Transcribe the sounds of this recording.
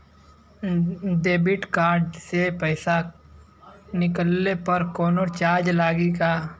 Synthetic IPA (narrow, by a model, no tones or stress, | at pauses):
ɖeːbɪʈkaːɾɖsepɛɪsa | nɪkəlːepəɾkoːnot͡ʃaːɾd͡ʒlaːɡikaː